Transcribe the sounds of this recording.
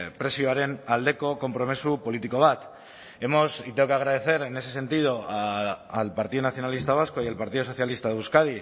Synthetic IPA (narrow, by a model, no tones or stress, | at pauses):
pɾe̞sjoaɾe̞nald̪e̞ko̞ko̞mpɾo̞mesupo̞lit̪iko̞β̞at̪ | e̞mo̞sit̪eokeaɣ̞ɾaðe̞θe̞ɾe̞ne̞se̞se̞nt̪ið̞o̞aːlpaɾt̪iðonaθjo̞nalist̪aβ̞asko̞ijalpaɾt̪iðoso̞θjalist̪aðuskað̞i